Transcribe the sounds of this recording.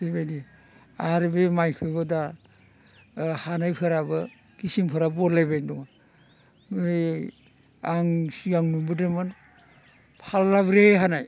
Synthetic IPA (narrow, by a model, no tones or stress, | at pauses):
sejbajdi | aɾbemajkʰɯbɯda | hanajpʰɯɾabɯ | ɡisimpʰɯɾabɔlajbajndɔŋa | mɯj | aŋsiaŋnubɯdɯmɯn | pʰalːabɾeɦanaj